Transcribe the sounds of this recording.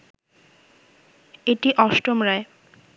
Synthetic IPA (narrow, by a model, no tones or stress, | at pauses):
eʈiʔɔʃʈomɾae